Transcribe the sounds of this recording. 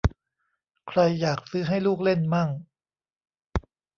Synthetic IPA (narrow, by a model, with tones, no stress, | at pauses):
kʰɾa˧jːaː˨˩k̚sɯː˦˥ɦa˥˩jluː˥˩k̚le˥˩nma˥˩ŋ